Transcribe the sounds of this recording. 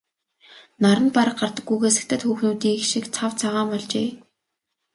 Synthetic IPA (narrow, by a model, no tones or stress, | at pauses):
naɾə̆npaɾə̆q̚ɢart̪ə̆kːujɣeːs̬ɘ̥̆k̚t̪ʰə̆t̪xuːxnuːt̪iːkʃikt͡sʰawt͡sʰaʁaːmpɔɮt͡ɕeː